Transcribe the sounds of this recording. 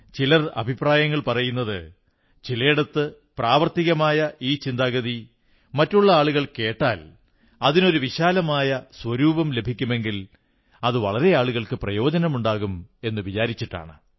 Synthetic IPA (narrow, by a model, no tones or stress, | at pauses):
t͡ɕilɐrɐ̰bʱipraːjɐŋːɐɭpɐrɐjunːɐðɨ̰ | t͡ɕilɐjiɽɐt̪ːɨ | praːʋɐrt̪iɣɐmaːjɐʔiːt͡ɕind̪aːɣɐði | mɐtːuɭːɐaːɭuɣɐɭke̞ːʈːa̰ːl | ɐðino̞ɾuʋiɕaːlɐmaːjɐswɐɾuːbɐmle̞bʱikʲːume̞ŋɡil | ɐðɨʋɐɭɐɾe̞aːɭuɣɐɭkɨprɐjo̞ːd͡ʑɐnɐmuɳɖaːɣume̞nːɨʋit͡ɕaːɾit͡ɕːiʈːa̰ːɳɨ